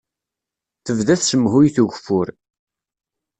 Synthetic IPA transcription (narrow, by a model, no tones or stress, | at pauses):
θəvðæθsəmːɦʊjθuʝfːʊɾ